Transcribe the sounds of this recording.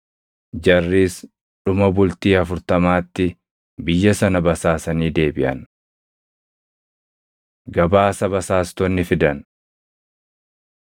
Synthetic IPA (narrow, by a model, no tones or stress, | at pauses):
d͡ʒɐrːiːs | ᶑʊmɐbʊlt̪iːɐfʊɾt̪ɐmaːt̪ːɪ | bɪjːɐsɐnɐbɐsaːsɐniːd̪e̞ːbɪʔɐn | ɡɐbaːsɐbɐsaːst̪ɔnːɪfɪd̪ɐn